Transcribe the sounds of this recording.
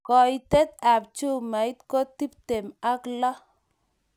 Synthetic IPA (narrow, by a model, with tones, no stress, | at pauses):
kɔ˨i˨t̪e˦t̪̚a˨p̚t͡ʃu˦˨ma˨i˦t̪̚ko˦t̪i˦p̚t̪e˨ma˦klɔ˦